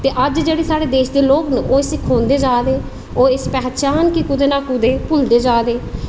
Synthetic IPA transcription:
t̪eːʔəd͡ʒd͡ʒeːɽeːsaːɽeːd̪eːʃd̪eːloːknəʔoːɪsɪkʰõːnd̪eːd͡ʒaːd̪eː | oːɪspɛːt͡ʃaːnkikʊd̪eːnaːkʊd̪eːpʊld̪eːd͡ʒaːd̪eː

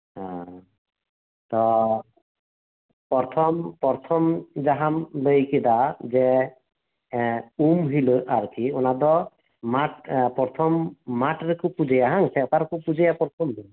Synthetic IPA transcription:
ɦã | t̪ɔ | pɔɾt̪ʰɔmpɔɾt̪ʰɔmd͡ʒaɦamləjkid̪ad͡ʒɛ | umɦiloʔaɾkʰiɔnad̪ɔ | maʈpɔɾt̪ʰɔmːaʈɾekupud͡ʒejaɦaŋsɛɔkaɾkupud͡ʒejapɔɾt̪ʰɔmdi

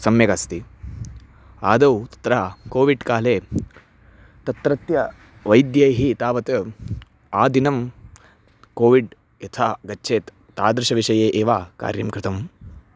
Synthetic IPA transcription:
sɐmjɐkast̪i | aːd̪ɐwt̪ɐ̥t̪ɾaːkoːʋiɖkaːleː | t̪ɐt̪ɾɐt̪jɐ | ʋɐjd̪jɐjɦit̪aːʋɐt̪ | aːd̪inɐm | koːʋiɖ | jɐt̪ʰaːɡɐt͡ʃːʃʰeːt̪ːaːd̪ɾɐʃɐʋiʂɐjeːʔeːʋaːka̰ːɾjɐmkɾɪt̪ɐm

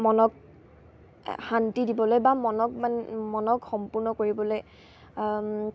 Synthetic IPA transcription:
mɔnɔk | xantidibɔlojbamɔnɔk̚manmɔnɔkxɔmpʊɹnɔkoɹibɔloj

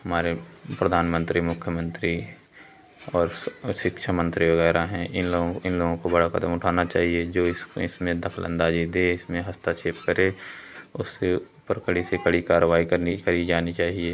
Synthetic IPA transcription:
hɐmaːɾepɾəd̪ʱaːnmə̃nt̪ɾimʊkʰjəmə̃nt̪ɾi | ɔːɾʃɪkʃʰamə̃nt̪ɾiʋəɣɛːɾaɦɛ̃ʔɪnloːɡ̃ɪnloːɡõkobɐɽakəd̪əmʊʈʰaːnat͡ʃaːɦied͡ʒoːɪsɪsmẽd̪ɐkʰələ̰̃nd̪aːd͡ʒid̪eɪsmẽɦɐst̪at͡ʃeːpkəɾeʊsːe | pəɾkəɽisekəɽikaːɾəʋaːikəɾnikəɾid͡ʒaːnit͡ʃaːɦieː

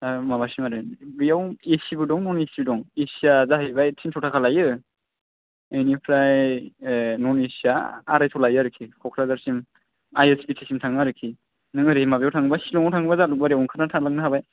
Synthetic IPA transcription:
amabasimaɾɯnbɯjawesibɯdɔŋnɔnesbdɔŋesiazaɦejbajtʰinsʰɔwtʰakʰalajɯ | ejnipʰɾaj | nɔnesiaa̰ɾajtʰɔlajaɾɯkʰikʰɔkʰɾazaɾsim | ajespitʰisimtʰaŋaɾɯkʰi | nɯŋɯɾiimabjawtʰaŋbasilɔŋɔwtʰaŋbazaluk̚baɾijawŋkʰaɾnatʰaŋlaŋnɯɦabaj

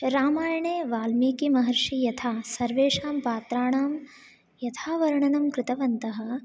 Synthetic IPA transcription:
ɾaːmaːjɐɳeːʋaːlmiːkimɐɦɐɾʂijɐt̪ʰaːsɐɾʋeːʂaːmpaːt̪ɾaːɳaːm | jɐt̪ʰaːʋɐɾɐɳɐnɐmkɾɪt̪ɐʋɐnt̪ɐɦɐ̆

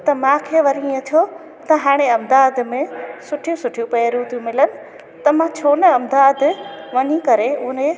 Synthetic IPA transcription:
t̪ɐmãːkʰeʋɐɾĩɐt̪ʰjo | t̪ɐɦaːɽ̃eɐmd̪aːd̪̆mẽsʊʈʰijũsʊʈʰijũpɐɾjũt̪ʰijũmɪlənɪ̆ | t̪ɐmãt͡ɕʰoːnəɐmd̪aːd̪ʋɐɲikɐɾeʊɦne

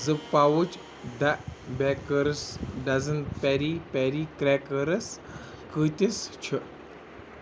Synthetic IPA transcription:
zɨpːawut͡ʃ | d̪abɛkəɾsɖɐzənpɛɾipɛɾikɾɛkəɾɐs | kɨt̪ʲist͡ʃʰɨ

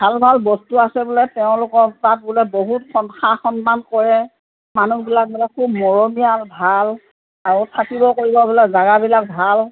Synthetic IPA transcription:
bʱalbʱalbɔstuasɛbʊlɛtɛʊ̃lʊkɔɹpat̚bʊlɛboɦutxɔnxaxɔnmankɔɹɛ | manubilak̚bulɛkʰubmɔɹɔmijalbʱal | aɹutʰakibɔkoɹibɔbilakzaɡabilak̚bʱal

